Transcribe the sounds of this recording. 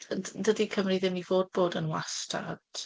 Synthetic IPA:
ədədikʰəmriðɪmnivoːd̚boːdənwastʰa̰d̥

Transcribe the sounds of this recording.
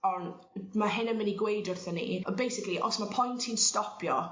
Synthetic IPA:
ɔn | maɦɪnənmɪniɡwejdʊrθɔnḭɔbejsɪkliʔɔ̰smapʰɔjntʰinstɔpʰjɔ̰

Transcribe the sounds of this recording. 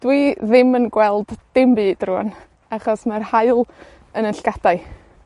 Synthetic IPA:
d̥wiðɪmənɡwɛlˠd̥ːɪmbɨːd̥ruːn | aχɔsmarhaɨlˠ | ənənɬɡ̥ad̥aɨ

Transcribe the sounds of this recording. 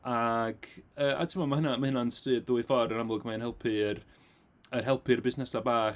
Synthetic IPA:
aɡ̥əːʔa̰tʰɪmɔmaɦənamahɪnanstɨːd̪ðuːɨfɔɾənamlˠʊɡmaənhɛlˠpʰɨr | ərɦɛlˠpʰɨrbɪsnɛsabaːχ

